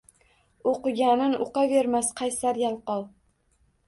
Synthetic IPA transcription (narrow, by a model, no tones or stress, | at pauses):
oqɨɡʲanɪnʊqɑve̞ɾmasqʰɑjsaɾjalˠqɒlˠ